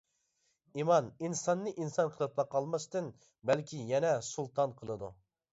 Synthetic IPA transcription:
imɑninsɑnːɨʔinsɑnqʰəlˠɨp̚lˠɑqʰːɑlˠmɑst̪ɨn | bɛlkʲʰijɛnɛsulˠt̪ʰɑnqʰəlˠɨd̪ṵ

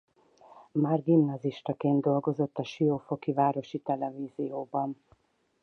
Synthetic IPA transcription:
maːrɡimnɒziʃt̪ɒkeːnd̪d̪o̞lɡo̞zo̞t̪ːɒʃioːfo̞kivaːɾo̞ʃit̪ɛlɛviːzijoːbɒn

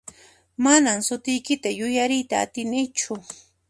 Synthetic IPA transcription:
manamsʊt̪ɪjkɪt̪ajʊjaɾɪjt̪a̰ːt̪ɪnɪjt͡ʃʊ

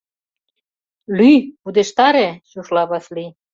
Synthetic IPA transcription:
lypud̪eʃt̪ɑɾeɕuʃlɑβɑsli

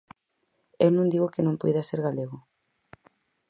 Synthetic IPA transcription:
ewnõŋd̪iɣokɪnõŋpujðaseɾɣaleɣo

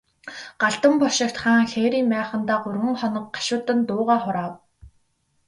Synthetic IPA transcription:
ɢ̥aɮt̪ə̆mpɔʃɪ̆kt̪χaːŋxeːɾiːmmæːχə̆nt̪aːɢʊrʁə̆ŋχɔnɞ̆k̚ɢḁʃʊːt̪ə̆nt̪ʊːʁaːχʊɾaːw

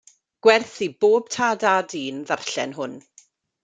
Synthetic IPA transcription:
ɡ̥wɛrθiboːb̥̚tʰaːdaːdiːnðarɬɛ̰nɦʊn

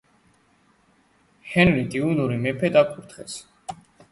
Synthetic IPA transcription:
hɛnɾid̪iunuɾimɛpʰɛd̪akʰuɾt̪ʰχɛ̰s

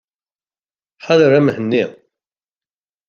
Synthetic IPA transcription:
ħaðɾæməhənːi

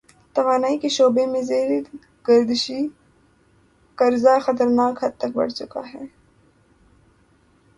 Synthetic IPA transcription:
t̪ɐʋaːnaːikeʃoːbemẽzeːɾe | ɡ̥ɐɾd̪ɪʃi | kɐɾzaxɐt̪əɾnaːkɦɐd̪̚t̪ɐk̚bɐ̰ɽt͡ʃʊka̰ɦɛː

